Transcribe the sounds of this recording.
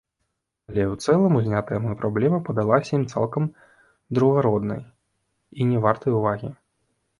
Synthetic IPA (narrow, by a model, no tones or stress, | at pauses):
alʲɛwt̪sɛlˠɐmuzʲnʲat̪ɐjɐmujpɾablʲɛmɐpɐd̪alˠasʲɐjimt̪sa̰lˠkɐm | d̪ɾuɣaɾɔd̪nɐ̰j | inʲɛvart̪ɐjuvaɣʲḭ